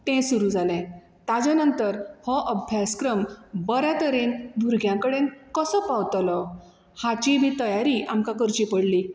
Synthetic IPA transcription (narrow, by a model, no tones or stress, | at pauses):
t̪ɛ̃suɾud͡zalɛ̃ | t̪ad͡zãnənt̪əɾhɔ̃ʔəbʱjaskɾəmbəɾjat̪əɾend̪ʱuɾɡʱjãkəɽenkɔsɔpawt̪lɔ | hat͡ɕibʱit̪əjaɾiʔamkakəɾt͡ɕipəɽli